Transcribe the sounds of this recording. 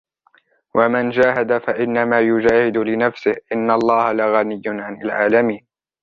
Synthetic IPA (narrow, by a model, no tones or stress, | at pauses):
wʔamand͡ʒaːɦad̪afaʔɪnːamaːjʊd͡ʒaːhɪd̪ʊlɪnafsɪhʔɪnːalˤːɑːhalaɣanɪjːʊnʕanalʕa̰ːlamiːn